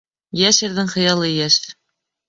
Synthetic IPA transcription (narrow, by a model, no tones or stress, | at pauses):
jæʃɘ̆ɾðɘŋχɤ̆jɑlˠɤjæʃɘɾ